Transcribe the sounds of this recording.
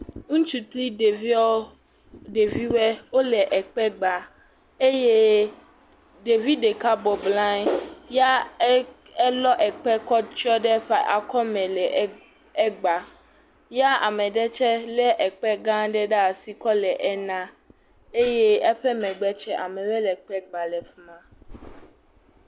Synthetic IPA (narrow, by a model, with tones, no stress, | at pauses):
ŋũ˦t͡ʃu˨t̪li˦ɖe˨vi˦ɔ˦ | ɖe˨vi˦wɛ˦wo˦lɛ˨ʔɛ˨k͡pɛ˦ɡ͡ba˨ | e˦je˦ | ɖe˨vi˦ɖe˨ka˦bɔ˨blã˦ja˦ | ɛ˦lɔ˦ʔɛ˨k͡pɛ˦kɔ˦t͡ʃɔ˦ɖɛ˦ɸɛ˦ʔa̰˨kɔ˦mɛ̃˨lɛ˨˦ | ɛ˦ɡ͡ba˨ | ja˦a̰˨mɛ̃˨ɖɛ˦t͡ʃɛ˦lɛ˦ʔɛ˨k͡pɛ˦ɡã˦ɖɛ˦ɖɛ˦a˨si˨kɔ˦lɛ˨ʔɛ˦nã˦ | e˦jɛ˦ɛ˦ɸɛ˦mɛ̃˨ɡ͡bɛ˦t͡ʃɛ˦ʔa˨mɛ̃˨wɛ˦lɛ˨k͡pɛ˦ɡ͡ba˨lɛ˨fmã˦